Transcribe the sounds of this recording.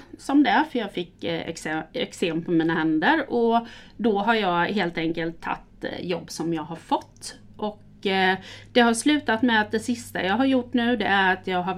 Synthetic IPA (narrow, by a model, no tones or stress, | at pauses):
sɔmd̪ɛæɾfœɾjɑːɡfɪkːɛ̰ksɛ̰kseːmpʰɔmiːnahɛnd̪əɾɔd̪ɔɦaɾjɑːɡheːlt̪ɛŋkəlt̪ʰːa̰t̪ːjɔbːsɔmjɑːɡɦaɾfɔt̪ː | ʔɔk | d̪̥ɛɦaɾslʉ̟ːt̪at̪mɛat̪̚d̪ɛsɪst̪a̰jɑːɡɦaɾjʊʈːnʉ̟ːd̪ɛʔæɾat̪ʰjɑːɡɦa